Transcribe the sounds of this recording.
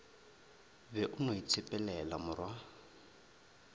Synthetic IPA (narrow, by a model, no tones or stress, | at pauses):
bɛʔʊnoit͡sʰɪpʼɛlɛlamʊrwa